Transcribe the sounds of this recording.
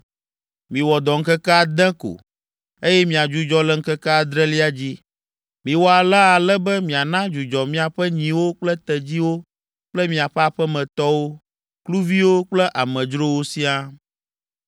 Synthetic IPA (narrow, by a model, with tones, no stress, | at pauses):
mĩ˨wɔ˨d̪ɔ˨ŋ̩˦kɛ˦kɛ˦a˦d̪ɛ̃˦ko̰˨ | e˦jɛ˦mĩ˨a˨d͡ʒu˦d͡ʒɔ˦lɛ˦ŋ̩˦kɛ˦kɛ˦a˨d̪ɾɛ˦li˦a˦d͡ʑi˦ | mĩ˨wɔ˦a˨la˦a˨lɛ˦bɛ˦mĩ˨a˨nã˦d͡ʒu˨d͡ʒɔ˨mĩ˦a˨ɸɛ˦ɲĩ˨wo˦k͡plɛ˦t̪ɛ˨d͡ʑi˦wo˦ | k͡plɛ˦mĩ˨a˨ɸɛ˦a˨ɸɛ˦mɛ̃˨t̪ɔ˦wo˦ | klu˦vi˦wo˦k͡plɛ˦ʔa˨mɛ̃˨d͡ʒɾo˦wo˦si˦a˦